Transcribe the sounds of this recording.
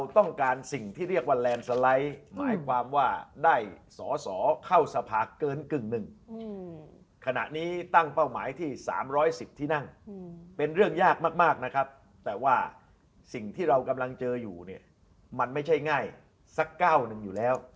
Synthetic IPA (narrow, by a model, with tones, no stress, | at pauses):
ɾwt̪ɔ˥˩ŋkaː˧nsi˨˩ŋt̪ʰiː˥˩ɾi˥˩ək̚waː˥˩lɛː˧nsa˧la˦˥jma̰ː˩˦jkʰwaː˧mwaː˥˩daː˥˩jsɔː˩˦sɔː˩˦kʰa˥˩wsa˧pʰaː˧kɤː˧nkɯ˨˩ŋnɯ˨˩ŋ | kʰa˧na̰˨˩ʔniː˦˥t̪a˥˩ŋpa˥˩wmaː˩˦jt̪ʰiː˥˩sa̰ː˩˦mɾɔː˦˥jsi˨˩p̚t̪ʰiː˥˩na˥˩ŋpe˧nɾɯ˥˩əŋjaː˥˩k̚maː˥˩k̚maː˥˩k̚na˦˥kʰa˦˥p̚ | t̪ɛː˨˩waː˥˩ | si˨˩ŋt̪ʰiː˥˩ɾa˧wka˧mla˧ŋt͡ɕɤː˧juː˨˩ni˥˩ə | ma˧nma˥˩jt͡ɕʰa˥˩jŋaː˥˩j | sa˦˥kːaː˥˩wnɯ˨˩ŋjuː˨˩lɛː˦˥w